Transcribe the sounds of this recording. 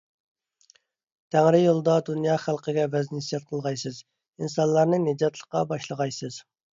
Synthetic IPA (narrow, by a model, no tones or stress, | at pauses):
t̪ʰæŋɾɪjolˠd̪ɑd̪unjɑːχælˠqʰəɡʲɛvɛznɪsijɛt̪̚qʰəlˠʁɑjsɨz | insɑnlˠɑɾnɨned͡ʒɑt̪lˠəqɑbɑʃlˠəʁɑjsɨz̥